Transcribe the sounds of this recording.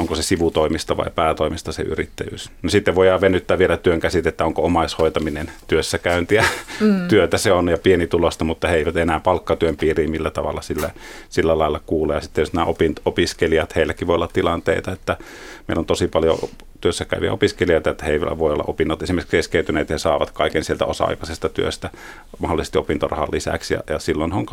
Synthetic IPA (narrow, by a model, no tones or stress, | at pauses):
ʔoŋkosesiʋut̪oˑimist̪ɑʋɑ̰ˑipæːt̪oˑimist̪ɑsḛy̰rḭt̪ːæjy̰ːsnosit̪ːeʋʋoˑijɑʋʋenːyt̪ːæːʋielæt̪yøŋkæsit̪et̪ːæoŋkoomɑshoˑit̪ɑminent̪yøsːækæynt̪iæt̪yøt̪æseonjɑpienit̪ulost̪ɑmut̪ːɑheeˑiʋæt̪enæːpɑlkːɑt̪yømpiːriːmilːæt̪ɑʋɑ̰lːɑsilːæsilːælɑˑelːɑkuːleːjjɑsit̪ːejosnæːopint̪opiskelijɑt̪heˑilːækːiʋoiolːɑt̪t̪ilɑnt̪ḛit̪ɑet̪ːæ | meilːont̪osipɑljo̰ | t̪yøsːækæˑy̰ʋiæ̰opiskelioˑit̪ɑet̪ːæheiʋ̰ʋoˑiolːɑ̰ʔopinːot̪esimerikskeskeˑyt̪yneːt̪jɑhɑsɑːʋɑt̪kɑˑikensielt̪æ̰osɑ̰ɑ̰ikɑsest̪ɑt̪yø̰st̪æ | mɑholːˑisest̪iopint̪o̰rɑ̰hɑ̰lːisæ̰ksjɑ̰jɑsilːonheoŋk